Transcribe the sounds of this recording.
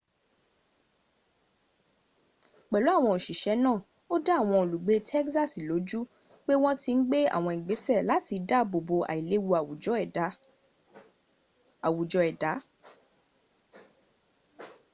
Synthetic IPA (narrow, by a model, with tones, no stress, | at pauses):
k͡pɛ˨lo˨˦a˦˨w̃ɔ̃˧o˨ʃi˨ʃɛ˨˦nãː˦˨ | o˦da˦˨w̃ɔ̃˧o˨lu˨ɡ͡be˨˧tʰɛ˦ksa˦˨si˨lo˨˦d͡ʒu˦ | k͡pe˦w̃ɔ̃˦ti˧n̩˦ɡ͡be˦a̰˨w̃ɔ̃˧i˨ɡ͡be˨˦sɛ˦˨la˨˦ti˧da˦bo˨bo˧ʔa̰˨i˨le˨˦wu˧a˨wu˨ɔ˨˦˨ | a˨wu˨d͡ʒɔ˧ɛ˨da˨˦